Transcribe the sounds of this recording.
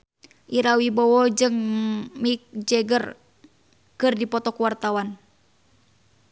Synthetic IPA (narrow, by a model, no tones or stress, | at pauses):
ʔiɾawibɔwɔd͡ʒɨŋmik̚d͡ʒɛɡər | kɨrdipɔt̪ɔkuwart̪awan